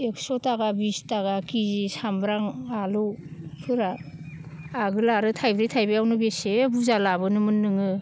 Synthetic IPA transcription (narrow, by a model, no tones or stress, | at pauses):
eksɔtaɡabistaɡakizisambɾaŋaluwpʰɯɾaː | ɡɯlaɾɯtʰajbɾijtʰajbejawnɯbesebuzalabɯnɯmɯnːɯŋɯ